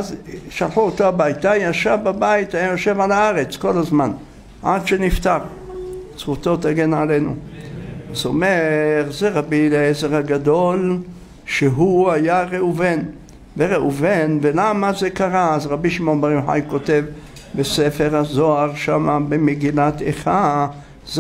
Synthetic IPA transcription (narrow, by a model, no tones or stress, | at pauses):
azʃalħuotoabajitajaʃavbabajit̪ajajoʃe̞valaaʁe̞t͡sko̞lazman | ʔadʃenift̪aʁ | sχut̪o̞t̪aɡenʕalenṵ | azo̞meʁzeʁabileezeʁhaɡad̪o̞l | ʃeɦuajaʁeuven | veʁeuvenvelamazekaʁaːzʁabiʃimo̞nbeʁjoħa̰jko̞t̪ev | besefeʁhazoaʁʃamabemeɡilat̪eχa | z